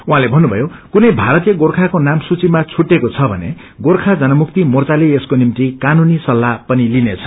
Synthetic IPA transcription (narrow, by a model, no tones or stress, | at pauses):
uɦãlebʱʌnːubʱʌ̰jokunʌjbʱaɾʌt̪ijʌɡorkʰakonamsut͡simat͡sʰuʈːekot͡sʰʌbʱʌ̰nḛ | ɡorkʰad͡zʌnʌmuk̚t̪imʌrt͡salieskonimt̪ikanunisʌlːapʌnilinet͡sʰʌ̥